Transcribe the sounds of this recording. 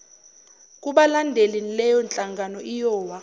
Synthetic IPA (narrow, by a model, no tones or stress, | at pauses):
kʼuɓalandʱelenilɛjɔnt͡ɬʼaŋɡʱanɔʔijɔːwa